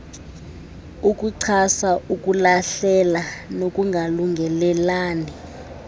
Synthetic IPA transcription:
uk̬ʼuǀʰasaʔuk̬ʼulaɬɛlanokʼuŋɡʱaluŋɡʱɛlɛlaːni

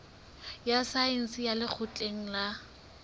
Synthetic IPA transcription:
jasaen̩sɪjalɪk͡xʰʊt͡ɬʼeŋ̩la

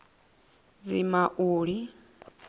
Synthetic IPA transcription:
d͡zimaʔuːɺi

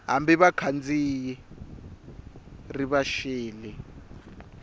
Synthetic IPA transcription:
ɦa̰mbiβakʰand͡ziji | riβaʃeːli

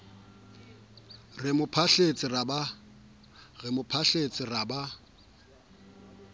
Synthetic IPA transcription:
rɪmʊpʰaɬet͡sʼɪraba | ɣɪmʊpʰaɬet͡sʼɪraba

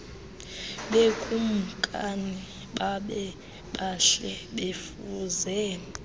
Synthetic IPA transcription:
ɓekʼum̩kʼani | ɓaɓɛ | ɓaɬɛɓef | uːzɛ

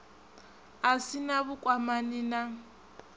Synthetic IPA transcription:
asinaβukʼwamanina

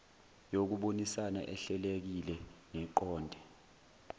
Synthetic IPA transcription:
jok̬uɓonisana̰ʔɛɬɛlek̬ilɛŋɛǃɔːndʱɛ

